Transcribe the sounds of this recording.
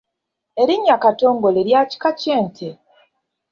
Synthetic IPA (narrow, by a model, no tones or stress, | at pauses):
e̞ɾiɲːakato̞ːŋɡo̞leɾjaci̥kaceːntʰe